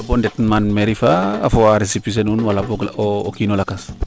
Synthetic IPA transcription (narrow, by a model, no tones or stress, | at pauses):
abondetmanmeɾifaːfoaɾisipis̬enunwalabokoːkinolakas